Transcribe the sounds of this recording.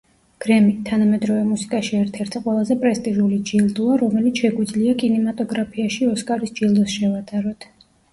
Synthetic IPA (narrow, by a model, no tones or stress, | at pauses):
ɡ̥ɾɛmit̪ʰanamɛd̪ɾɔvɛmusi̥kʼaʃiɛɾt̪ʰɛɾt̪ʰiqʼwɛlˠazɛpʼɾɛst̪ʼiʒulid͡ʒilˠd̪uaɾɔmɛlit̪sʰʃɛɡwid̪zliakʼinɛmat̪ʼɔɡɾapʰiaʃiɔskʼaɾisd͡ʒilˠd̪usʃɛvat̪ʼaɾɔt̪ʰ